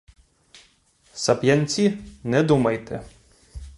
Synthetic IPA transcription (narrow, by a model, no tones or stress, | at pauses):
sɐpjanʲt͡sʲinɛd̪umɐjt̪ɛ